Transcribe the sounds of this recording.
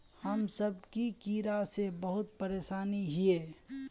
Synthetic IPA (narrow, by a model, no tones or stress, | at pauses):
həmsəb̚kikiːɾasebəɦʊt̪̚pəɾeːʃaːniɦieː